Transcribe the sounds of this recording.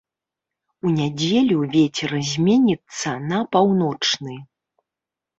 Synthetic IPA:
unʲad͡zʲelʲuvʲet͡sʲɛɾzʲmʲɛnʲit̪sːɐnɐpawnɔt͡ʂnɨ

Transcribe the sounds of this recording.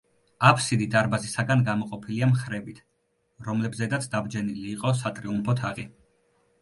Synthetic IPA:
apʰsid̪id̪aɾbazisaɡanɡamɔqʼɔpʰiliamχɾɛbit̪ʰ | ɾɔmlɛbzɛd̪at̪sʰd̪abd͡ʒɛniliːqʼɔs̬at̪ʼɾiumpʰɔt̪ʰaʁi

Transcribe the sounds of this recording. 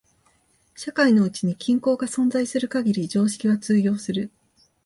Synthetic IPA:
ɕakaino̞ɯ̟t͡ɕiɲ̟ikʲĩŋko̞ːɡasõ̞nd͡zaisɨɾɯ̟kaɡʲiɾʲid͡ʑo̞ːɕi̥kʲiβat͡sɨːɡʲjʲo̞ːsɨɾɯ̟

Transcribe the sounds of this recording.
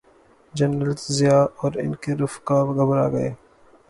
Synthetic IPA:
d͡ʒɐnɾəltzijaːʔɔːɾɪ̰nkeɾʊfkaːbɡɐbɾa̰ːɡɐḛː

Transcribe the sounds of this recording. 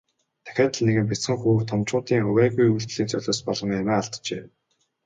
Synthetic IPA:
t̪ʰæ̥xʲæːt̪ə̆ɮneɣɘ̆mp̬ʲit͡sχɘ̆ŋxuːwt̪ʰɔmt͡ɕʊːt̪iːŋɵwæːɣujuɮt͡ɕ̪ɮiːnt͡sʰœɮʲoːspɔɮɞ̆ŋamæːaɬt̪t͡ɕeː

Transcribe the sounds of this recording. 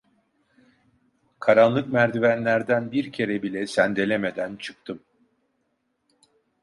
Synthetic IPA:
kʰaɾanlˠɯkmæɾd̪ivænlʲæɾd̪ænbiɾcʰe̞ɾɛbilʲɛsænd̪e̞lʲe̞me̞d̪ænt͡ʃʰɯ̥k̚t̪ʰɯm

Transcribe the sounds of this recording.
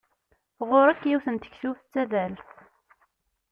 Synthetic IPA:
ʁoɾækːjiwθənt̪ə̥çsuθt͡sːæðæl

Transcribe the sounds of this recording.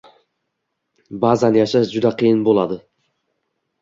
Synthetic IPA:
bazanjɑʃad͡ʒʊd̪aqʰɨjɨnbolˠɑd̪ɨ

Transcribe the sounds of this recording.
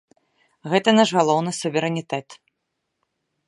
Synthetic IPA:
ɣɛt̪ɐnaʂɣalˠɔwnɨsuvʲɛɾɛnʲit̪ɛt̪

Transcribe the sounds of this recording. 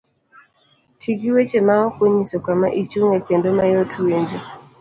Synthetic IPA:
tʰiɡiwet͡ʃemaɔkeɲisɔkamaʔit͡ʃuŋɛpendomajotʰuwend͡ʒe

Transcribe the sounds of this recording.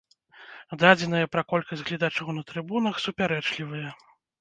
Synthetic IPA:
d̪ad͡zʲɛn̪ɐjɐpɾɐkɔlʲkɐsʲɣlʲid̪at͡ʂɐwnɐt̪ɾɨbunɐxsupʲaɾɛt͡ʂlʲivɨjɐ

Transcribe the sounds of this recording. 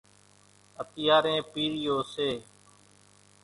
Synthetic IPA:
ət̪ɪjaːɾẽːpiːɾɪjoːseː

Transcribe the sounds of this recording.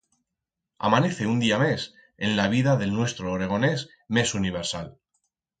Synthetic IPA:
a̰mane̞θe̞und̪iame̞s | e̞nlaβ̞iðaðelnwe̞st̪ɾoːɾe̞ɣ̞o̞ne̞s | me̞suniβ̞e̞ɾsa̰l

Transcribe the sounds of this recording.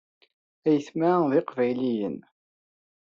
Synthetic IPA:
æjəθmæðɪqvæjlijən

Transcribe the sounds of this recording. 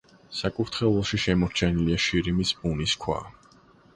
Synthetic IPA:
sakʼuɾt̪ʰχɛlˠɔʃiʃɛmɔɾt͡ʃʰɛniliaʃiɾimisbʼuniskʰwa̰

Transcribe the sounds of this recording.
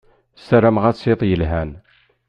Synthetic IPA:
sæɾæmʁæt͡sˤːeðˤjəlɦæn

